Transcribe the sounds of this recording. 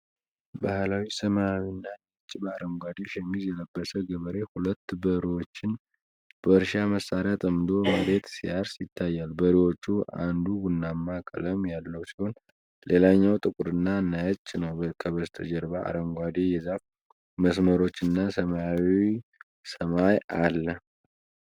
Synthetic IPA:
bahlawisəmaawinːanət͡ʃʼːbəaɾəŋɡʷad̪eʃɛmːizjɛləbːəsəɡəβəɾe̞hulət̪ːbəɾiwo̞t͡ʃːɪn | b̥əɨɾʃaməsaɾat̪ʼəmd̪o̞məɾe̞t̪siaɾsjɪt̪ʰːajːalbəɾiwo̞t͡ʃːua̰nd̪uɡunːamːakʼə̰ləmjalːəwusiho̞n | lelaɲːawt̪ʼɨkʼuɾɨnːanət͡ʃʼːnəwəkʰəβəst̪ʰəd͡ʒɛɾbaa̰ɾəŋɡʷwad̪ejɛzaf | məsməɾo̞t͡ʃːɨnːasəmawi | səmajʔalːə

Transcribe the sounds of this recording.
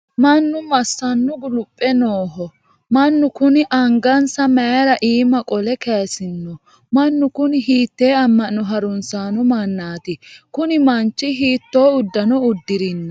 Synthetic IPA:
mɐnːʊmɐsːɐnːʊɡʊlʊpʼːɛnoːɦɔ | mɐnːʊkʊnɪʔɐŋɡɐnsɐmɛɾɐʔiːmɐkʼɔlɛkeːsɪnːɔ | mɐnːʊkʊnɪɦiːt̪ːe̞ːɐmːɐnːɔɦɐɾʊnsaːnɔmɐnːaːt̪ɪkʊnɪmɐnt͡ʃːɪɦiːt̪ːo̞ːʊd̪ːɐnɔʊd̪ːɪɾɪnːɐ

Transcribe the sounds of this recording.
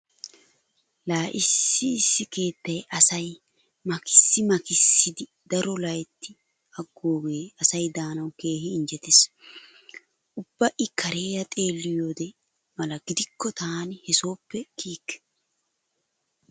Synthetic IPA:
laːʔɪsːɪːsːɪke̞ːt̪ːɐjʔɐsɐj | mɐkʰɪ̥sːɪmɐkɪsːɪd̪ɪ | d̪ɐɾɔlɐjt̪ʰːɪ | ɐɡːoːɡeːɐsɐjd̪aːnɐwke̞ːhɪːnd͡ʒɛt̪eːs | ʊb̥ːɐʔɪkʰɐɾe̞ːjɐt̪ʼe̞ːlːɪjo̞ːd̪ɛ | mɐlɐɡɪd̪ɪkːɔt̪ʰaːnɪhɛso̞ːpːɛkʰiːkːɛ̥

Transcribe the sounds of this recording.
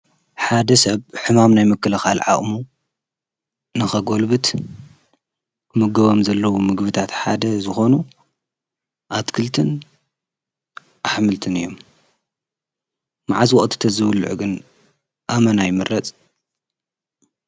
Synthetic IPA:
ħad̪ɐsɐβħɨmamnajmɨkːɐlɐxalʕa̰χʼmu | nɨxɐɡo̞lbɨt̪ | mɨɡɐβomzɐlːɐwumɨɡbɨt̪ʰat̪ħad̪ɐzɨxo̞nu | ʔat̪kʰɨlt̪ʰɨn | ʔaħmɨlt̪ʰɨnɨjːo̞m | maʕazwɔχʼt̪ʰi̥t̪ʰɐzɨwlʕuɡɨn | ʔamɐnajɪmɨɾɐt͡sʼ

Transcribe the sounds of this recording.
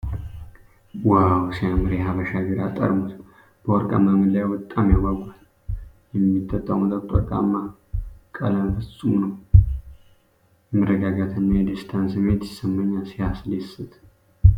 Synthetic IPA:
wawsijamɨɾjɛɦaβəʃaɡəɾat̪ʼːə̰ɾmut̪ | b̥əwɔɾkʼa̰mːamɨd̪lajwɔt̪ʼːamjaɡaɡʷal | jɛmːit̪ʰʼːət̪ʼːawmət̪ʼət̪ʼɔ̰ɾkʼa̰mːa | kʼə̰ləmfɨsʼumnəw | jɛmərːəɡaɡat̪ʰɨnːajɛd̪ist̪ʰansɨmet̪jɪsɨmːəɲːalsihaslesɨt̪

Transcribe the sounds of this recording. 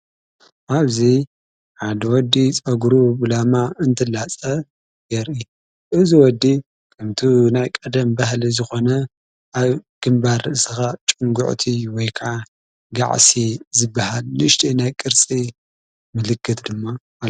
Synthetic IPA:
ʔaβzi | ħad̪ɐwɔd̪ːit͡sʼɐɡɾubɨlamaɨnt̪ʰɨlat͡sʼɐ | jɐɾʔi | ʔɨziwɔd̪ːi | kʰɨmt̪ʰunajkʼɐd̪ɐmbahlizɨxo̞nɐ | ʔaβɡ̥ɨmbaɾsɨxat͡ʃʼɨŋɡʊ̰ʕt̪ʰiwɔjkʰaʕa | ɡa̰ʕsizɨbːahalːɨʃt̪ʰʼinajkʼɨɾt͡sʼi | mɨlɨkʰːɨt̪ʰd̪ɨmːa

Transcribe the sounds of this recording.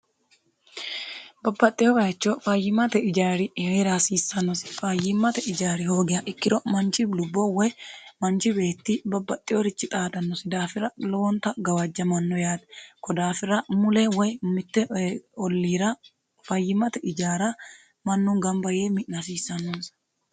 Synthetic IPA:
bɐbːɐt̪ʼːɪjɔɾɐt͡ʃːɔfɐjːɪmɐt̪ɛɪd͡ʒaːɾɪheɾasiːsːɐnːɔsɪ̥fɐjɪmːɐt̪ɛɪd͡ʒaːɾɪho̞ːɡɪjɐʔɪkːɪd̪ɔmɐnt͡ʃɪblʊbːɔwɔjmɐnt͡ʃɪbe̞ːt̪ːɪbɐbːɐt̪ʼːɪjɔɾɪt͡ʃːɪt̪ʼaːd̪ɐnːɔsɪd̪aːfɪɾɐlɔwɔnt̪ɐɡɐwɐd͡ʒːɐmɐnːɔjaːd̪kɔd̪aːfɪɾɐmʊlɛwɔjmɪt̪ːɛɔlːiːɾɐ | fɐjːɪmɐt̪ɛʔɪd͡ʒaːɾɐ | mɐnːʊŋɡɐmbɐjeːmɪʔnɐsiːsːɐnːɔns

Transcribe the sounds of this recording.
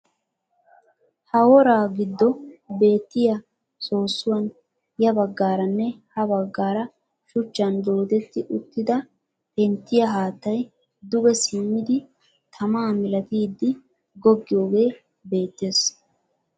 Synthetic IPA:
hɐwɔɾaːɡɪd̪ːɔbe̞ːt̪ːɪjɐ | so̞ːsːʊwɐn | jɐbɐɡːaːɾɐnːɛhɐbɐɡːaːɾɐ | ʃʊt͡ʃːɐnd̪o̞ːd̪ɛt̪ːɪʔʊt̪ːɪd̪ɐ | pɛnt̪ːɪjɐɦaːt̪ːɐj | d̪ʊɡɛsɪmːɪd̪ɪ | t̪ʰɐmaːmɪlɐt̪iːd̪ːɪ | ɡɔɡːɪjo̞ːɡe̞ː | be̞ːt̪ːeːs

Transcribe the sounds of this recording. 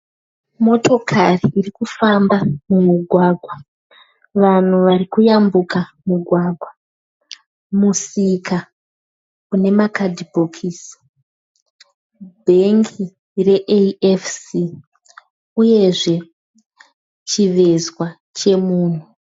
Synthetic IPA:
mo̞to̞kʰariʔirikufambamumuɡʱwaːɡʱwa | ʋan̤uʋarikujambukamuɡʱwaːɡʱwa | musika | une̞makadibʱokʰis | bʱeŋkʰi | re̞ʔeefsi | uje̞ʐe̞ | t͡ʃiʋe̞zwa | t͡ʃe̞muːn̤u

